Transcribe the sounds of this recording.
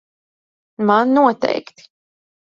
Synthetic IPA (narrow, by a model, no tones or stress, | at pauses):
manːuɔt̪ɛ̰jkt̪